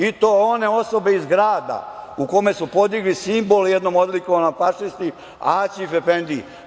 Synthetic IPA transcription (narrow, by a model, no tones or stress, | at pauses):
it̪o̞ːone̞o̞so̞be̞izɡɾaːd̪a̰ukome̞supo̞d̪iɡlisimbo̞ljɛd̪no̞mod̪likoʋanomfaʂist̪i | aːt͡ɕifepend̪i